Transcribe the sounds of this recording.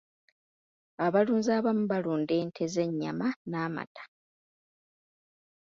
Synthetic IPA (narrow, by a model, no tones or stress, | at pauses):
aβaluːnzaːβamuβaluːnde̞ːntʰe̞ze̞ɲːa̰manaːma̰tʰḁ